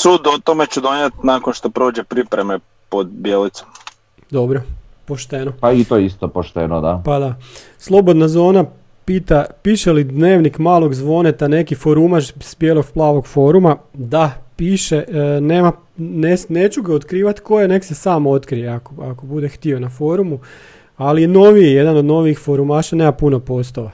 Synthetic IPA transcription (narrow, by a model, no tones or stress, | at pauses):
suːd̪ot̪omet͡ʃud̪onjet̪nakonʃt̪opɾo̞ːd͡ʒepɾipɾeme | pod̪bjelit̪so̥m | d̪o̞bɾo | po̞ʃt̪enopait̪ojist̪opoʃt̪enod̪apad̪a | slˠo̞bo̞d̪nazo̞ːna | piːt̪apiːʃelid̪ne̞ːʋnikmaːlˠo̞ɡzʋo̞net̪ane̞kifo̞ɾumat͡ʃsbjeːlˠo̞ɡ̚plˠaːʋo̞ɡfo̞ɾumad̪apiːʃeneːma | nesnet͡ɕuɡaot̪kɾiːʋat̪ko̞jene̞ksesaːmo̞t̪kɾijeakoakobud̪e̞xt̪io̞nafoɾumu | alieno̞ʋiejed̪anod̪no̞ʋiixfo̞ɾumaːʃaneːmapunopo̞st̪oʋa